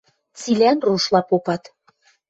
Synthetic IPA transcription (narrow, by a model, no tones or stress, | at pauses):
t͡silʲænruʃlˠɑpopɑt̪